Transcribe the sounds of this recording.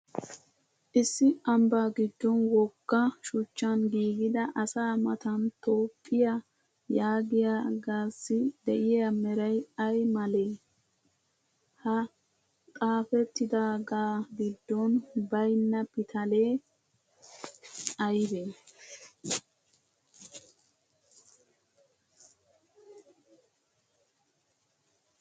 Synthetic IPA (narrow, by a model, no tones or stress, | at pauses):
ʔɪsːɪɐmbaːɡɪd̪ːɔnwɔkːɐʃʊt͡ʃːɐnɡiːɡɪd̪ɐʔɐsaːmɐt̪ɐnt̪oːpʼːɪjɐ | jaːɡɪjaɡaːsːɪd̪ɛʔɪjɛɐmɛɾɐjɐjmɐleː | hɐ | kʼaːfɛt̪ːɪd̪aːɡaːɡɪd̪ːɔnbɐjnːɐpɪt̪ʰɐleː | ɐjbe